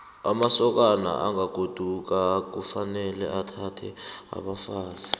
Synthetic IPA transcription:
amasɔk̬ana̰ʔaŋaɡ̥ʱod̥ʱuk̬ak̬ufanɛlɛ̰atʰatʰɛa̰ɓafaːza

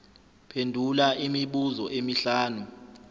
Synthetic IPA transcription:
pʰendʱulaimiɓuzɔʔemiɬaːnu

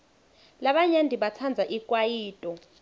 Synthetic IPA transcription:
laɓaɲandʱiɓat͡sʰand͡zʱaʔikʼwajiːtʼɔ

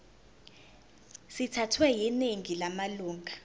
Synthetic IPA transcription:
sitʰatʰwɛjineŋilamaluːŋʱa

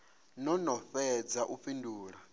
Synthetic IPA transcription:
nɔnɔɸɛd͡zaʔuɸinduːɺa

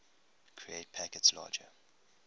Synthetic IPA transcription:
kʰɹieɪt̚pʰækətslɑ̰ːd͡ʒə

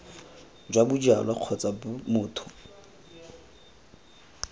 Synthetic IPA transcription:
d͡ʒwabʊd͡ʒa̰lwaq͡χʰɔt͡sʼamʊːtʰʊ̥

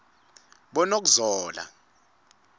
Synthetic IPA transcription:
ɓɔnok̬uzɔːla̰

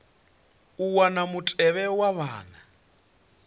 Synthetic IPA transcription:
uwanamutʼɛβɛwaβaːna

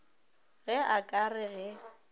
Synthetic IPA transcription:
ɣɛakʼarɪɣɛ

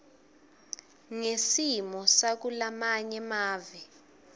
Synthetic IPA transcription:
ŋesimɔsak̬ulamaɲɛmaːvi

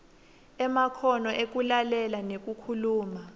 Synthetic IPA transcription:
ɛmakʰɔnɔʔek̬ulalɛlanek̬ʼukʰuluːma

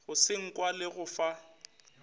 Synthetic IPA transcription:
ɣʊsɪŋ̩kʼwalɪɣʊfa

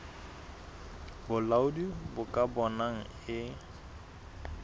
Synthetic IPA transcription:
bʊlaʊdibʊkʼabɔnaŋ̩ | ɪ

